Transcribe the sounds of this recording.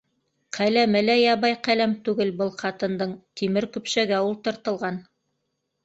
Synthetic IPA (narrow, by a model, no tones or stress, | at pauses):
qʰælæmɘlæjɑβɑjqælæmt̪ʉɡɘlbɤlˠqɑt̪ɤ̆nd̪ɤɴt̪imɘɾkʉ̆pʃæɡæulˠt̪ɤ̆ɾt̪ɤ̆lˠʁɑn